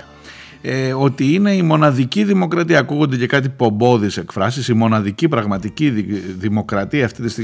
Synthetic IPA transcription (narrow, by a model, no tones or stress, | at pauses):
eo̞t̪iine̞imo̞nɐðiciðimo̞kɾɐt̪iɐːkuɣo̞nd̪e̞ce̞kɐt̪ipo̞mbo̞ðise̞kfɾɐsisimo̞nɐðicipɾɐɣmɐt̪iciðimo̞kɾɐt̪iɐːft̪it̪ist̪i